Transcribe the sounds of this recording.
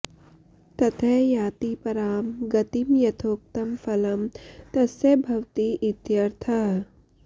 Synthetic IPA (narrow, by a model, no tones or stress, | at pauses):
t̪ɐt̪ʰɐɦjaːt̪ipɐɾaːmɡɐt̪imjɐt̪ʰoːk̚t̪ɐmfɐlɐmt̪ɐsɐbʱɐwt̪iʔɪt̪jɐɾt̪ʰɐɦ